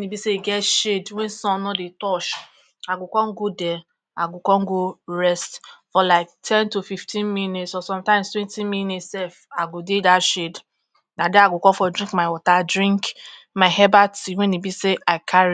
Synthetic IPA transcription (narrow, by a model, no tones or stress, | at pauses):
wẽnibiseɡɛtʃedwɛ̃nsɔ̃nɔdetɔʃ | aɡʊkɔŋ̩ɡodɛ | aɡʊkɔŋ̩ɡoɹɛstfɔlaɪk̚tʰɛ̃ntofiftʰĩnminetsɔsɔ̃mtãɪ̃mstwɛ̃ntĩnminetssɛfaɡodedaʃed | nadɛaɡʊkɔfɔdɾĩŋkmaɪwɔtadɾĩŋk | maɪhɛbatiwẽnibiseʔaɪkʰaɾi